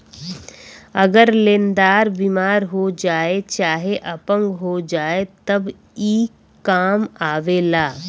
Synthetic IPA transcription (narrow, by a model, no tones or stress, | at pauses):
ɐɡəɾlẽːnd̪aːɾbimaːɾɦod͡ʒaːet͡ʃaːɦeʔəpə̃ŋɡɦod͡ʒaːet̪ɐb | iː | aːmaːʋelaː